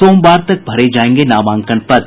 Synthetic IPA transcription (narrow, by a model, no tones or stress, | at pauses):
oːmbaːɾt̪ɐk̚bʱɐɾed͡ʒaːẽːŋɡenaːmãːŋkəɳpɐt̪